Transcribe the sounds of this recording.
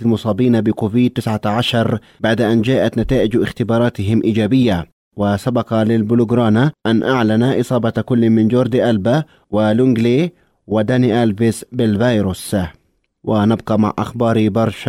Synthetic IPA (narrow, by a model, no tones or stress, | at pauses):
lmʊsˤɑːbiːnabɪkoːviːd̪̚t̪ːɪsʕaʕaʃɑɾˤ | baʕd̪ʔand͡ʒaːʔat̪nat̪aːʔɪd͡ʒʔɪxt̪ɪbɑːɾˤɑːt̪ɪɦɪmʔiːd͡ʒaːbɪjːa | wɪsabɑqɑlɪlbʊlʊɡɾɑːnaʔanːʔaʕlanaʔɨsˤɑːbɑkʊlːmɪnd͡ʒoɾˤd̪iʔalba | wɪlʊŋɡle | wɪd̪aniʔalvɪsbɪlvajɾus | wɪnab̚qɑma̰ʕʔa̰xbɑːɾibɑɾˤʃ